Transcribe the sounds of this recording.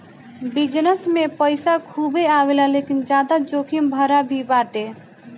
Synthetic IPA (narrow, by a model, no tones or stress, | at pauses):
bid͡ʒnəsmepəjsakʰubeawelalekind͡ʒjad̪ad͡ʒokʰimbʱəɾabʱibaʈe